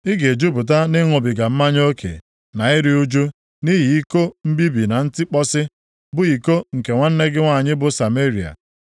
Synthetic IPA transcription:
ɪ˦ɡe˨d͡ʒu˦bʊ˨t̬a˦nɪ˦ŋʊ˨bɪ˨ɡa˨m̩˦ma˦ɲ˦o˦kʰḛ˨ | na˨ɪ˦ɾi˦u˦d͡ʒu˦ | ni˦ɦi˨i˦ko˦m̩˦bi˦bi˨na˨n̩˦tɪ˦k͡pɔ˦sɪ˦ | bʊ˨i˨ko˦ŋ̩˨ke˨ŋʷa˦n̩˦ne˦ɡɪ˦ŋʷa˦˨ɲɪ˦bʊ˨sa˨me˦ɾi˨a̰˨

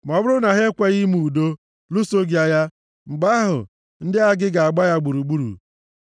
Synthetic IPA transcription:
m˨ɔ˨bʊ˦ɾʊ˦na˨ɦe˦kʷa˦ɣi˦mu˨u˨do˦ | lu˦so˦ɡja˦ja˦ | ŋ͡m̩˨ɡ͡ba˦ɦʊ̰˨ | n̩˦dɪ˦a˦ɡɪ˦ɡa˨a˨ɡ͡ba˦ja˦ɡ͡bu˨ɾu˨ɡ͡bu˦ɾṵ˨

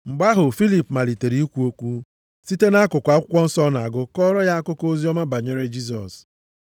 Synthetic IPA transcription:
ŋ͡m̩˨ɡ͡ba˦ɦʊ˨fi˦li˨pma˨li˨te˨ɾi˦i˦kʷu˦o˦kʷu˦ | si˦te˦na˦kʊ˨kʷa˨˦kʷɔ˦n̩˦sɔ˦na˨a˨ɡʊ˦kɔ˦ɾɔ˦ja˦a˦kʊ˦ko˦zi˦ɔ˦ma˦ba˨ɲe˦ɾe˦d͡ʒi˦z̬ɔ̰˨s

